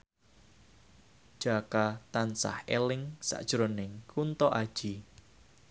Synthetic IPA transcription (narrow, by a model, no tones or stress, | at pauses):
ʒ̥akat̪ansa̰helɪŋsa̰ʔd̥ʒ̥ɾonɪŋkʰunt̪ɔʔad̥ʒ̥i